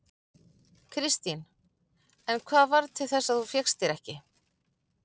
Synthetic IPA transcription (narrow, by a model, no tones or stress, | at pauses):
kʰɾɪst̪in | ɛnkʰvaːðvaɾt̪ʰɪlθɛsːaðθufjɛxst̪ɪɾɛhcɪ